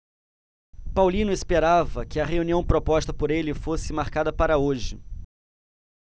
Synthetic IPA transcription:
pawlĩnʊespeɾavɐkɪɐɦeuniɐ̃w̃pɾopɔst̪ɐpoɾelɪfosɪmaɾkad̪ɐpaɾɐoʒɪ̰

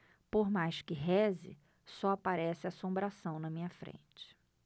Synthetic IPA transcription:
poɾmajskɪɦɛzɪ̰ | sɔapaɾɛsɪasõmbɾasɐ̃w̃nɐmĩɲɐfɾḛ̃t͡ʃɪ̥

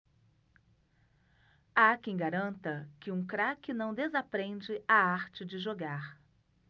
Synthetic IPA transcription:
akẽj̃ɡaɾɐ̃nt̪ɐkɪũkɾakɪnɐ̃w̃d̪ezapɾẽnd͡ʒɪʔaaɾt͡ʃɪd͡ʒɪʒoɡaɾ

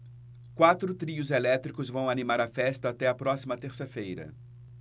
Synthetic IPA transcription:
kwat̪ɾʊt̪ɾiʊzelɛt̪ɾikʊzvɐ̃w̃animaɾɐfɛst̪ɐːt̪ɛɐpɾɔsimɐt̪eɾsɐfejɾɐ̰

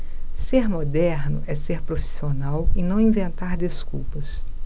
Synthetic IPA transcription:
seɾmod̪ɛɾnʊ̰ʔɛseɾpɾofi̥sionawɪnɐ̃w̃ĩvẽnt̪aɾd̪eskuwpɐs

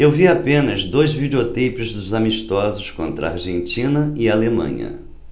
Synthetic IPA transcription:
ewviapẽnɐzd̪ojzvid͡ʒeot̪ejpɪzd̪ʊzamiʃt̪ɔzʊskõ̰nt̪ɾɐ̰a̰ɾʒẽnt͡ʃĩnɐɪalemɐ̰̃ɲɐ̰

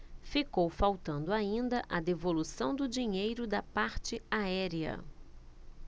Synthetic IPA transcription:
fikowfawt̪ɐ̃nd̪ʊaĩnd̪ɐʔɐd̪evolusɐ̃w̃d̪ʊd͡ʒiɲejɾʊd̪ɐpaɾt͡ʃɪaɛɾiɐ̰

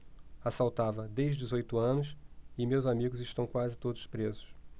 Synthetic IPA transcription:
asawt̪avɐd̪eʒd͡ʒɪzojt̪ʊɐ̃nʊsɪmewzamiɡʊzɪʃt̪ɐ̃w̃kwazɪt̪od̪ʊspɾezʊs

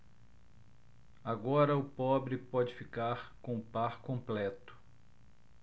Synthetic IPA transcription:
aɡɔɾɐʊpɔbɾɪpɔd͡ʒɪfikaɾkõʊpaɾkõmplɛt̪ʊ̥

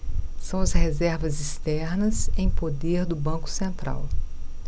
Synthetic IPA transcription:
sɐ̃w̃ɐshezɛɾvɐzist̪ɛɾnɐzẽj̃pod̪eɾd̪ʊbɐ̃kʊ̥sẽnt̪ɾa̰w

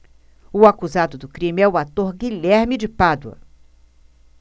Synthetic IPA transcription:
ʊakuzad̪ʊd̪ʊkɾĩmɪɛʊat̪oɾɡiʎɛɾmɪd͡ʒɪpad̪ʊɐ̰

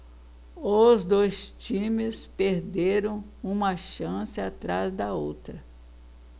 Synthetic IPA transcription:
ozd̪ojst͡ʃĩmɪspeɾd̪eɾɐ̃w̃ | ũmɐʃɐ̃sɪat̪ɾazd̪ɐowt̪ɾɐ

